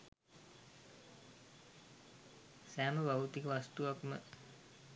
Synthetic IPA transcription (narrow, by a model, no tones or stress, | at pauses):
sæːməʋaut̪ikəʋast̪uʋakmə